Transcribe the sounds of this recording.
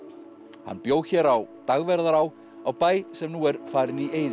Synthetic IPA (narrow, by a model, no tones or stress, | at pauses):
ha̰nːpjoːwçɛːɾawt̪aɣvɛɾðaɾaw | awpaːjsɛmnuːɛɾfaːɾɪnieːjð